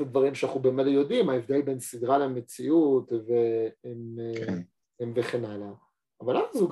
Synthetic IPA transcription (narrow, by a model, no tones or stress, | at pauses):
ed̪vaʁimʃeanaχnubemeljo̞d̪imaevd̪e̞lbe̞nsid̪ʁalemet͡siut̪veim | mveχe̞nalaː | valavzuɡ